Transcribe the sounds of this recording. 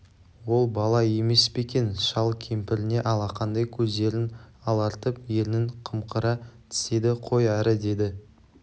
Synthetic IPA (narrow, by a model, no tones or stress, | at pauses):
wo̞lˠbɑlˠɑje̞me̞spe̞kʲe̞nʃɑlˠkʲʰempɪɾɪne̞ʔɑlˠɑqʰɑnd̪ɑjkʲʰɵzd̪e̞ɾɪnɑlˠɑɾt̪əpje̞lɪnɪŋqʰəmqʰəɾɑt̪ʰɪ̥se̞d̪ɪqʰo̞jæɾəd̪e̞d̪ɪ